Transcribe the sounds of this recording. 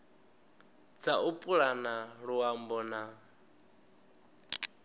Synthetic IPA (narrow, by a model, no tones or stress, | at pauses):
d͡zaʔupʼuɺanaɺuwambɔna